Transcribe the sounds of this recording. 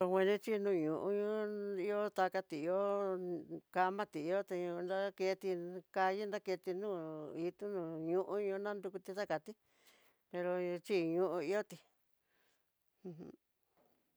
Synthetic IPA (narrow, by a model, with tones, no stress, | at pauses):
o˧hʷwʷẽ˧nĩ˦t͡ʃi˦˧nũ˦˧˨ɲũ˨ʔũ˧ɲũ˦i˦o˦t̪a˧ka˧t̪i˨i˧o˦ | ka˧mã˦t̪i˨i˧o˦t̪e˧ɲũ˧nda˦ke˧t̪i˧ka˧ji˦nd̪a˦ke˧t̪i˧nũː˦˨i˧t̪u˦nũː˧˨ɲũ˦ʔũ˦ɲũ˧nã˦nd̪u˧ku˧t̪i˧t̪a˦ka˨t̪i˦ | pe˧ɾo˧t͡ʃi˦˨˧ɲũ˧ʔũ˧i˧o˦t̪i˧ | ũ˧ɦ